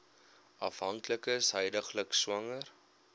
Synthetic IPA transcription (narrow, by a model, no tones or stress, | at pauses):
ʔɐfɦɐŋkləkəsɦəjdəχləkswɐŋər